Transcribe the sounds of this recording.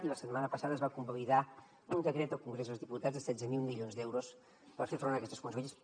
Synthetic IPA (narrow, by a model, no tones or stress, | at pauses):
t̪iləsət̪̚manəpəsaðəzβakumbəliða | und̪əkɾɛt̪əlˠkuŋɡɾezozðiput̪ad͡zzðəsɛd͡zəmilˠmiʎionzd̪ɛwɾos | pəɾfeɾfɾonəkɛst̪əskunzeʎəs